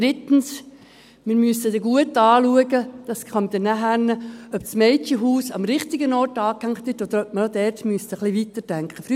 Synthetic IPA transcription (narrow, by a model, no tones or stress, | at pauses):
d̥ɾɪt̪n̩s | mɪɾmyəsədɛɡuətɑːluəɡəd̥ɑːsχɑmd̥̪ɛnːæɦænəœpsmɛɪt͡ʃəɦuːsɑmɾɪχtɪɡənɔɾtɑːkhæŋkχt̪ʋɪtod̪əɾœp̚məɾod̪ɛːɾtmyəstəχliʋit̪əd̥æŋkχəfɾy